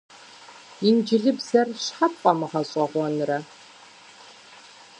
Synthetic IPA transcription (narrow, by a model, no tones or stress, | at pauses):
ind͡ʒɪɮɨbzɐrɕħap̚ʼqʷʼɐmɨʁɐɕʼɔʁʷɔnɨrɐ